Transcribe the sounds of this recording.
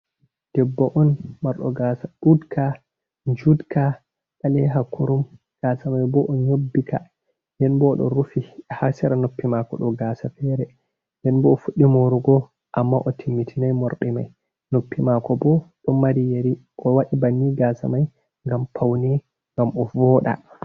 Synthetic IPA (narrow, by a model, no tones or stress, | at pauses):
d̥ɛbːɔʔɔnmaɾɗɔ̰ɡasaɗudkʰa | ɲd͡ʒudka | ɓalɛɦakʰuɾum | ɡ̥asamajbɔʔɔɲobːika̰ | nɛnbɔɗɔ̰ɾufihasɛɾanopːimakɔ̰ɗɔɡaːsafɛɾɛ | ndɛnbɔːfuɗːimoɾuɡɔ | ʔamːaʔɔtʰimːitʰinajmɔɾɗɛma̰j | nopːimakɔbɔɗɔmaɾijeɾiʔɔwaɗibanːiɡaːsa̰maj | ŋɡampʰawnɛ | ŋɡamɔvɔɗa̰